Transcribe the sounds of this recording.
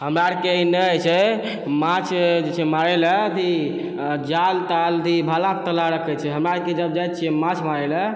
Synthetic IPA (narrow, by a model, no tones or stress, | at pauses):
ɦəmɾaɾkeinət͡ʃʰɛ | mãt͡ʃʰd͡ʒet͡ʃʰɛmaɾɛləd̪i | d͡ʒalt̪ald̪ʱibʱalãt̪əlaɾəkʰɛt͡ʃʰɛɦəmɾaɽked͡ʒəbd͡ʒajt̪t͡ʃʰiɛmãt͡ʃʰmaɾɛlə